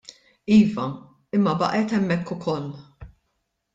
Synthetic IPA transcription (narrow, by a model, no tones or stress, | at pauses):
iːvɐ | ɪmːɐbɐ̰ʔɛt̪ɛmːɛkːʊkʰɔlː